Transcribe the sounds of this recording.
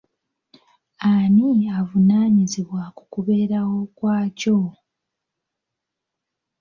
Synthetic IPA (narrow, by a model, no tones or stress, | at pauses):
aniavunaːɲiziβwakukuβe̞ːɾawo̞kwaːco̞